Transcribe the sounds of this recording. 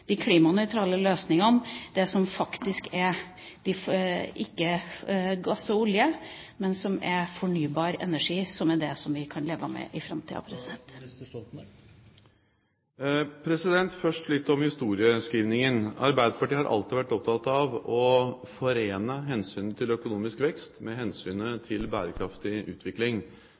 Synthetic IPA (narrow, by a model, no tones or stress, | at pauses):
d̪̥ɪkʰliːmɑnœʏt̪ʰɾɑːləløːsnɪŋənd̪̥ɛsɔmfɑkt̪ɪskɛɾ | d̪̥ɪfɪkːə | ɡɑsːəʊljəmɛnsɔmɛɾfɔɳyːbɑːɾɛ̰næʂiːsɔmæd̪ɛsɔmʋɪkʰɑnleːʋəmɛ̰ʔɪfɾɑmt̪ʰḭːɑ̰pʰɾɛsɪd̪ɛnt̪ | pʰɾɛsɪd̪ɛnt̪fœʂʈlɪt̪ːɔmhɪst̪uːɾɪəskiːʋnɪŋənɑ̰ɾbæɪd̪əpɑʈiəhɑɾʔɑ̰lt̪ɪʋæʈːɔp̚t̪ʰɑt̪ɑʋɔfɔɾeːnəɦɛnsyːnət̪ʰɪlœkʊnuːmɪskʋɛkst̪mɛɦɛnsyːnət̪ʰɪlbæːɾəkʰɾɑft̪ɪʔʉ̰ːt̪ʰʋɪklɪŋ